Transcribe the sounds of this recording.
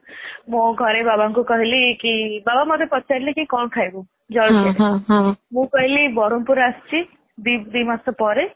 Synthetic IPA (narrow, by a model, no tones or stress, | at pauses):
mõɡʱɔɾebabaŋkukɔɦilikibabamɔd̪ʱepɔt̪ːt͡ʃʰaɾilikikɔɳkʰajbu | d͡ʒɔɭke | mũkɔɦilibɔɾɔmpuɾast͡ʃʰi | d̪id̪imasɔpɔɾe